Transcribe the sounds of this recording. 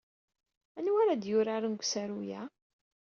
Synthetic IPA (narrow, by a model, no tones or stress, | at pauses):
ænwaɾad̪jʊɾaɾənɡʷsæɾujæ